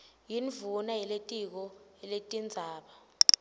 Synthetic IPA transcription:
jinvunajɛletʼik̬ɔɛletʼind͡zʱaːɓa

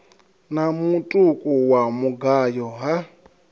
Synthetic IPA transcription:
namutʼukʼuwamuɡajɔɦa

